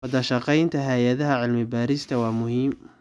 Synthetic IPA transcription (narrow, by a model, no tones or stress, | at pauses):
wɐd̪ɐʃɑqɑjnt̪ʰɐɦajɐðɐɦɐʕɪlmɪbaːɾɪst̪ʰɐwɑːmʊhiːm